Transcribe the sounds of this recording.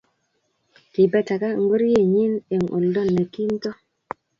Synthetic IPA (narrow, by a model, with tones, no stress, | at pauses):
ki˨ba˦ta˨ka˦˨ŋ˦ɡu˦ɾje˦˨ɲi˦ne˨ŋʔo̰˨ldo˦˨nːe˨ki˦n˦to˦